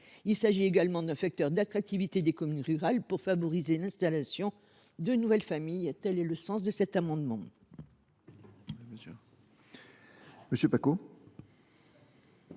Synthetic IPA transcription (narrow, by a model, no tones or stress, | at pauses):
ilsaʒieɡalmɑ̃d̪ɛ̃fak̚t̪œʁd̪at̪χak̚t̪ivit̪ed̪ekɔmynʁyʁalpuʁfavɔʁizelɛ̃st̪alasjɔ̃ | d̪ønuvɛlfamijt̪ɛlɛləsɑ̃s̬d̪əsɛt̪amɑ̃d̪mɑ̃ | məsjøpako